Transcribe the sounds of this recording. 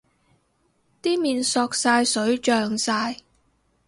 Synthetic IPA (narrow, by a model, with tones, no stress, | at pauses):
t̪iː˥miː˨nsɔː˧k̚saː˧jsɵ˨˥ɥt͡ʃœː˨ŋsaː˧j